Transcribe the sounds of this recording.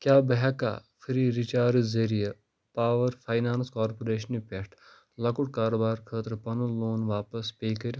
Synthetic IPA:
kjaːbɐɦɐka̰ːfʰiɾiɾit͡ʃaːɾzeɾijɐ | paːʋɐɾfʰaːjnaːnskaːɾpoɾeːʃɐnipʲeʈʰ | lɐkuʈkaːɾoːbaːɾkʰəːt̪ɾpɐnuloːnʋaːpɐspʲeːkɐɾʲ

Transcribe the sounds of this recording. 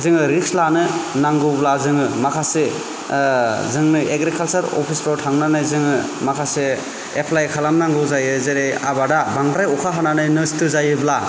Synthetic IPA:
zɯŋɯɾikslanɯnaŋɡɯblazɯŋɯmakʰase | zɯŋnɯʔeɡɾikʰalsaɾɔ̰pʰistɔɾtʰaŋnanɯjzɯŋɯ | makʰase | epʰlajkʰalamnaŋɡɯwzajɯzeɾeja̰badabaŋɡɾajɔkʰaɦananɯjnɯstɯzajɯbla

